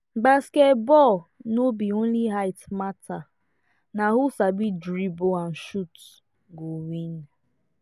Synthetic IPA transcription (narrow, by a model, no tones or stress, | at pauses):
basketbɔlnobion̩liɦaɪtmatʰa | naɦusabidɾiboan̩ʃut | ɡowin